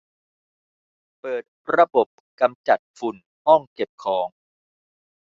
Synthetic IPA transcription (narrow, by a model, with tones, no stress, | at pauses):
pɤː˨˩t̪̚ɾa˧bo˨˩p̚ka˧mt͡ɕa˨˩t̪̚fu˨˧n | hɔ˥˩ŋke˨˩p̚kʰɔː˩˦ŋ